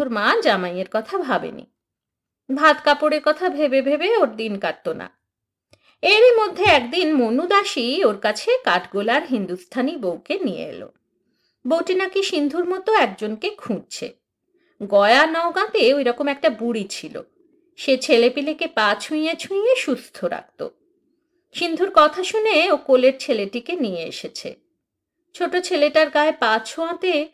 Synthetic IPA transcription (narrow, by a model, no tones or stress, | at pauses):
uɾmad͡ʑamaj̃eɾkɔt̪ʰabʱabḛnḭ | bʱad̪kapoɽeɾkɔt̪ʰabʱebebʱebeoɾd̪inkaɾt̪ːona̰ | eɾimod̪ʱːeɛkd̪inmonud̪aʃioɾkat͡ɕʰekaʈʰɡolaɾɦind̪ust̪ʰanibowkenijḛḛlo̰ | bowʈinakiʃind̪ʱuɾmɔt̪oɛk̚d͡ʑonkekʰũd͡ʑ̚t͡ɕʰḛ | ɡɔeanɔoɡãt̪eojɾɔkomɛk̚ʈabuɽit͡ɕʰilo̰ | ʃet͡ɕʰelepilekepãt͡ɕʰũĩet͡ɕʰũijeʃust̪ʰoɾa̰k̚t̪o̰ | ʃind̪ʱuɾkɔt̪ʰaʃuneokoleɾt͡ɕʰeleʈikenijeḛʃet͡ɕʰḛ | t͡ɕʰoʈot͡ɕʰeleʈaɾɡaepãt͡ɕʰoãt̪e